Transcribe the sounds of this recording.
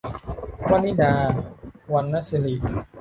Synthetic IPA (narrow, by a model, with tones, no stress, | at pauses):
wa˦˥nːi˦˥˨daː˧wa˧nːa˦˥si˧li˨˩ʔ